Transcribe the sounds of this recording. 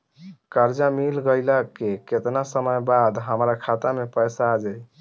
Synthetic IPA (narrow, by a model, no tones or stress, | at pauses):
kəɾd͡ʒamilɡəɪlakeket̪nasəməjbad̪ɦəmɾakʰat̪amepəjsaːd͡ʒaj